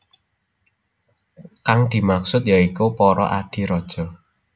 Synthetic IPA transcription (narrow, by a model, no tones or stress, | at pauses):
kaŋd̪̥i̤maksʊt̪̚jaikupɔɾɔ̰ʔa̰d̪̥i̤ɾɔd̥ʒ̥ɔ̤